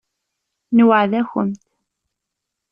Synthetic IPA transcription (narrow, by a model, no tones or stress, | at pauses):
nwəʕðæçə̰mt̪